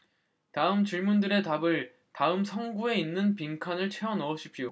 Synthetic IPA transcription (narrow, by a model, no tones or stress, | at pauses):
taɯmt͡ɕiɭmundɯɾe̞tabɯɭ | taɯmsʰʌŋɡue̞inːɯnpiŋkʰanɯɭt͡ɕʰe̞ʌnʌoɕʰipʰijo